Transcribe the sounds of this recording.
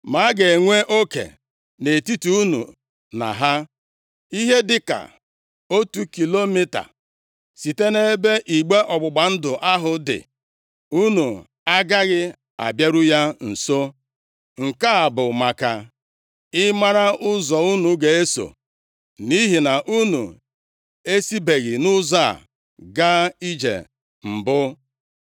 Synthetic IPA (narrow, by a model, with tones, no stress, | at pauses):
ma˨˦ɡe˨ŋʷe˦ʔo˦kḛ˨ | ne˨ti˦tu˦u˦nṵ˨ | na̰˨ɦa˦ | i˦ɦe˦dɪ˦ka̰˨ | o˦tu˦ki˨lo˦mi˦ta̰˨ | si˨te˦ne˦be˦ʔi˨ɡ͡be˦ʔɔ˨ɡ͡bʊ˨ɡ͡ba˨n̩˦dʊ˨ʔa˦ɦʊ˨dɪ̰˨ | u˦nu˨ | a˦ɡa˦ɣɪ˦ | a̰˨bje˦ɾʊ˦ja˦n̩˨so˦ | ŋ̩˨ka˦a˨bʊ˨ma˨ka˨ | ɪ˦ma˦ɾa˦ʔʊ˦zɔ˨u˦nu˨ɡe˨e˦so̰˨ | ni˦ɦi˨na˨ʔu˦nṵ˨ | e˦si˦be˨ɣi˨nʊ˦za̰˦˨ | ɡa˦i˦d͡ʒḛ˨ | m̩˨bʊ˦